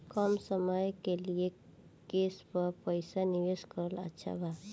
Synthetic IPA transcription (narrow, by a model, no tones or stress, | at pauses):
kəmsəməjkelie | kespəɾpəjsaniʋeskəɾələ̰tːʃʰa̰bʱa